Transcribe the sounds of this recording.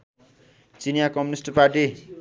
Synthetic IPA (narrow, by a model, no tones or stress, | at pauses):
t͡sinjakʌmjunisʈpaʈi